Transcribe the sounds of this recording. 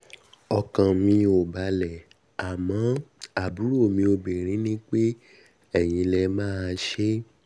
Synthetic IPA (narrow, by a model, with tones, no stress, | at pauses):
ɔ˨kã˨mĩ˧o˨ba˨lɛ˨ | a˨mɔ̃˨˦a˨bu˨˦ɾo˦˨mĩ˧o˧be˨ɾ̃ĩ˨˦nĩ˦k͡pe˦ | ɛ˦˨j̃ĩ˧lɛ˧mãː˦˧ʃe˦